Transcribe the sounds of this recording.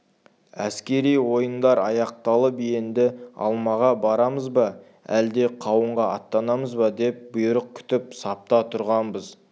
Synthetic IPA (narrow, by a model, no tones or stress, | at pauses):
æskʲe̞ɾijwo̞jənd̪ɑɾɑjɑq̚t̪ɑlˠəpijend̪ɪɑ̰lˠmɑʁɑbɑɾɑməzbɑ | æ̰ld̪e̞qʰɑwəɴʁɑɑt̪ːɑnɑməzbɑd̪e̞p̚bʊjʊɾəq̚kʲʰʏ̥t̪ɪpsɑp̚t̪ɑt̪ʰʊɾʁɑnbəz